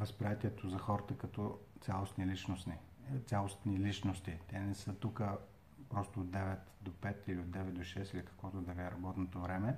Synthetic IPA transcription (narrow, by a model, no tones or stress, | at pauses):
vəspɾijat̪iɛt̪ozɐxɔɾət̪əkɐt̪ɔt̪sʲalˠosnilit͡ʃnosni | t̪sʲalˠost̪nilit͡ʃnost̪it̪ɛnɛsɤt̪ukə | pɾɔst̪oːd̪ɛvɛt̪d̪opɛt̪iliod̪̚d̪ɛvɛt̪̚d̪oʃɛsilikɐ̥kvɔt̪od̪ɐviɛɾɐbɔt̪not̪ovɾɛmɛ